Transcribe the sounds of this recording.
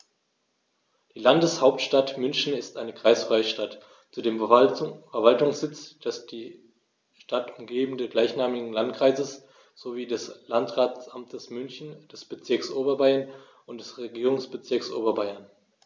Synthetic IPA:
d̥iːlandəshaʊp̚tʃtatmʏnçn̩ɪstʔaɪnəkʁ̥aɪsfʁ̥aɪəʃtat | t͡sudeːmfɛɐvaltʊŋsz̥ɪt͡sd̥ɛsd̥iː | ʃtatʊmɡeːbn̩dəɡlaɪçnaːmɪɡŋ̩lantkʁ̥aɪzəs | z̥oviːdɛslantʁaːt͡sʔamtʰəsmʏnçn̩d̥ɛsb̥ət͡sɪɐksʔoːbɐbaɪɐn | ʊnt̚d̥ɛsʁeɡiːʁʊŋsb̥ət͡sɪɐksʔo̰ːbɐbaɪɐn

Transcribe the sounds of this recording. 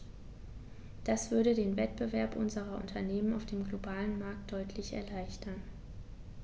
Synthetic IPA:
d̥asv̥ʏɐɾədeːnvɛt̚b̥əvɛɐpʔʊnzəʁɐʔʊ̰ntʰɐneːməna̰ʊfd̥eːmɡlobaːlənmaɐk̚t̚d̥ɔʏtʰlɪçɛ̰ɐlaɪçtʰɐn

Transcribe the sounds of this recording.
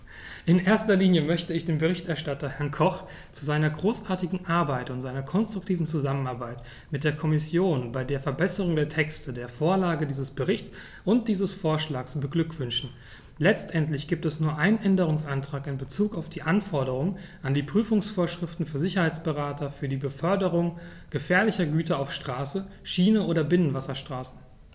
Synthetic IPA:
ʔɪnʔeːɐstɐliːnjəmœçtəɪçd̥eːnbəʁ̞ɪçtɛɐʃtatɐhɛɐnkʰɔχ | t͡suzaɪnɐɡʁoːsʔaːɐtɪɡŋ̩ʔaɐbaɪtʊntzaɪnɐkʰɔnstʁ̥ʊktʰiːvn̩t͡suzamənaɐbaɪt | mɪt̚d̥eːɐkʰɔmɪsjoːnbaɪdeːɐfɛɐbɛsəʁ̞ʊŋdeːɐtʰɛkstʰədeːɐfoːɐlaːɡədiːzəsb̥əʁɪçtt͡s | ʔʊnt̚d̥iːzəsfoːɐʃlaːksb̥əɡlʏkv̥ʏnʃn̩ | lɛt͡stʔɛntlɪçɡ̥iːp̚tɛsnuːɐʔaɪnənʔɛndəʁ̞ʊŋsʔantʁ̥aːkɪnbət͡suːkaʊfd̥iːʔanfɔɐɾəʁʊŋʔandiːpʁ̥yːfʊŋsfoːɐʃʁ̥ɪftn̩fyːɐzɪçɐhaɪt͡sb̥əʁaːtʰɐfyːɐdiːbəfœɐdəʁ̞ʊŋ | ɡ̥əfɛːɐlɪçɐɡyːtɐaʊfʃtʁ̥aːsə | ʃiːnəʔoːdɐbɪnənvasɐʃtʁ̥aːsn̩

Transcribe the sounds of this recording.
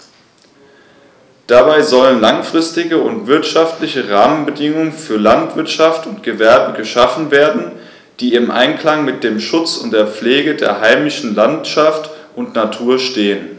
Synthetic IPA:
d̥abaɪzɔlənlaŋfʁ̥ɪstɪɡəʊntv̥ɪɐtʃaftlɪçəʁaːmənbədɪŋʊŋənfyːɐlantv̥ɪɐtʃaftʊntɡ̥əvɛɐbəɡəʃafn̩veːɐdn̩ | d̥iːɪmʔa̰ɪnkl̥aŋmɪt̚d̥eːmʃʊt͡sʊntd̥eːɐp͡fleːɡədḛːɐɦaɪmɪʃn̩lantʃaftʔʊntnatʰuːɐʃteːən

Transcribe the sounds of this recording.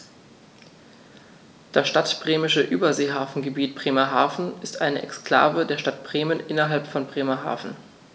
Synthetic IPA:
d̥asʃtatb̥ʁeːmɪʃəʔy̰ːbɐzeːɦaːfn̩ɡəbiːt̚b̥ʁeːmɐɦaːfn̩ɪstʔaɪnəʔɛ̰kskl̥a̰ːvədeːɐʃtat̚b̥ʁeːmənʔɪnɐɦalpfɔnbʁeːmɐɦa̰ːfn̩

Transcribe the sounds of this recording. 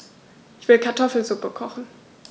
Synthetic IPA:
ʔɪçv̥ɪlkʰaɐtʰɔfl̩zʊpəkʰɔχn̩

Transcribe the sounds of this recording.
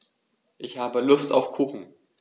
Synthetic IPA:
ʔɪçhaːbəlʊstaʊfkʰuːχn̩

